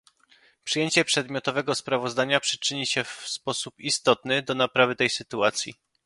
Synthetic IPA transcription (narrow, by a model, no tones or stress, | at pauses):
pʂɘjeɲt͡ɕɛpʂɛd̪mʲɔt̪ɔvɛɡɔspɾavɔzd̪aɲapʂɘ̥t͡ʂɘɲiɕɛfspɔsupist̪ɔt̪nɘd̪ɔnapɾavɘt̪ɛjsɘt̪uat̪sʲjḭ